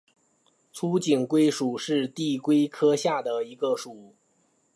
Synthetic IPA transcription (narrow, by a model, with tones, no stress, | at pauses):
t͡sʰu˥t͡ɕi˨˩ŋkwe˥ɪʂu˨˩ʂɻ̩˥˧t̪i˥˩kwe˥ɪkʰɤ˥ɕja˥˩d̪ə˩i˧˥ɡə˧ʂu˨˩˦